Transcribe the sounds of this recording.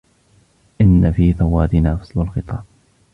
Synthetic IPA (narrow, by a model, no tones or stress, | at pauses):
ʔɪnːafiːθawaːt̪ɪnaːfɑsˤlʊlxɨt̪ˤɑː